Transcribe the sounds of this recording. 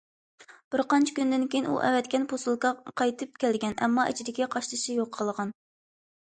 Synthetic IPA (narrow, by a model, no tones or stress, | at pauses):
b̥ɪɾqɑnt͡ʃʰɪ̥kʲynd̪ɪnkʲejinṵʔɛ̰vɛt̪kʲʰɛnpʰosulˠkɑqʰɑjt̪ʰɨp̚kʲɛlɡʲɛnɛ̰mːɑʔɛ̰t͡ʃʰid̪ɪkʲɛqʰɑʃlɨʃɨjoqʰːəlˠəʁɑn